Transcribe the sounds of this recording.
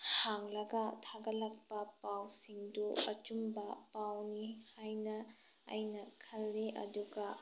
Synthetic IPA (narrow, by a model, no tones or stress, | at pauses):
hhaŋlɐɡɐtʰaɡɐlɐk̚pɐpawsiŋduɐt͡ʃumbɐpawnihajnɐ | ɐ̰jnɐkʰɐlːeʔɐ̰duɡɐ